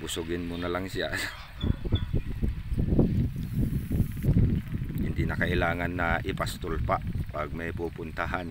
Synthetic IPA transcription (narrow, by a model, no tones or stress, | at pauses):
usuɡɪnmunalaŋsia̰ | ind̪inakailaːŋanːaʔipast̪ulpaʔpaɡ̚mejpupʊnt̪aɦan